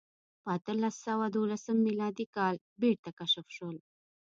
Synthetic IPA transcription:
pəat̪əlasːawad̪olasəmːilɑd̪ikɑl | beɽt̪akaʃəfʃəl

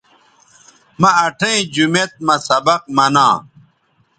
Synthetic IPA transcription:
mɐɐʈʰɐ̃ĩd͡ʑumet̪̚mɐsɐbɐq̚mɐnãː

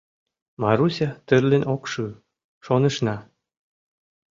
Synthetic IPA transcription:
mɑɾusʲɑt̪ə̆rlĕnʲʔokʃɯ | ʃonɤ̆ʃnɑ

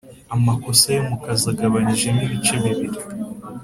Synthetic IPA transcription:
amako̞sajemukazaɡaβaɲiʒe̞niβit͡ʃeβiβiɾi

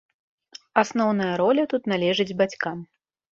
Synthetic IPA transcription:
asnɔwn̪ɐjɐɾɔlʲɐt̪ut̪nalʲɛʐɨd͡zʲbat͡sʲkam

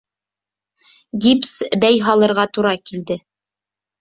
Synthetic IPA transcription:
ɡʲipsbæjɦɑlˠɤ̆ɾʁɑt̪uɾɑkild̪ɘ

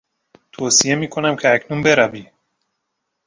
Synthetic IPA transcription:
t̪ʰoːsije̞miːkʰo̞næmcʰeæcʰnunbe̞ɾæviː

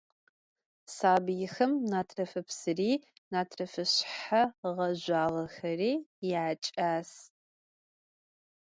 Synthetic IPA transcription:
saːbjɪxɐmnaːtʰrɐfɨpsɨriː | naːtʰrɐfɨɕħaʁɐʒʷaːʁɐxɐriːjɪt͡ʃʼaːs

